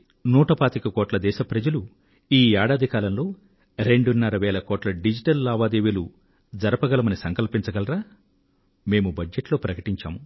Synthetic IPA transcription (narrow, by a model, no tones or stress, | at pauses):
nuːʈɐpaːt̪ikɐkɔːʈlɐd̪ɛːʃɐpɾɐd͡ʒɐlu | iːaːɽaːd̪ʱikaːlɐmlo̞ː | ɾe̞ɳɖunːɐɾɐʋɛːlɐkɔːʈlɐɖid͡ʒiʈɐlːaːʋaːd̪eːʋilu | d͡ʒɐɾɐpɐɡɐlɐmɐnisɐŋkɐlpiɲt͡ʃɐɡɐlɐɾaː | me̞ːmubɐd͡ʒeʈlo̞ːpɾɐkɐ̥ʈiɲt͡ʃa̰ːmu